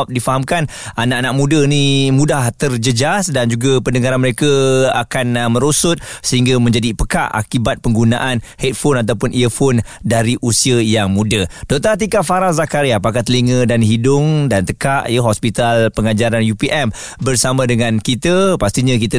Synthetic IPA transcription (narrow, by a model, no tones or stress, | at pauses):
p̚difaɦamkan | anaʔanãʔmũdənimũdaht̪ərd͡ʒəd͡ʒasdand͡ʒuɡapəndəŋaɾanməɾekəakanmə̃ɾosʊt̪̚səɦiŋɡamə̃ɲd͡ʒadipəka̰ʔa̰kibat̪̚pəŋɡunaʔanhet̪̚fonat̪̬awpʊnʔiəfon | daɾiʔusiəjaŋmudəd̥ot̪at̪̬ikaʔfaɾaŋzakaɾiapak̬aht̪əliŋədanɦidʊŋdant̪əkaʔjəɦɔspit̪alpəŋad͡ʒaɾanjupiʔɛm | bərsamãdəŋãnkit̪əpast̪iɲak̬it̪a